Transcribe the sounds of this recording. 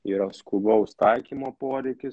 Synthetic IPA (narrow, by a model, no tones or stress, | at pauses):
iːɾɐskubɐʊst̪ɐɪkʲiːmoːpoːɾʲɛɪkʲɪs